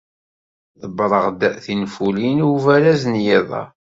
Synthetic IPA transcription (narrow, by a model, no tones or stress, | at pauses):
θəbɾˤəʁd̪θinfulinuvæɾæznjiðˤɑ̰